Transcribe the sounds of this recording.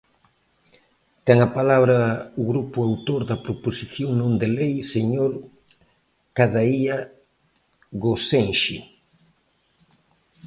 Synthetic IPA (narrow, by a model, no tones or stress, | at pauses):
t̪ɛŋapalaβɾɐʊɣɾupʊawt̪oɾðɐpɾoposiθjoŋnõnd̪elejseɲoɾ | kaðaia | ɣosenʃi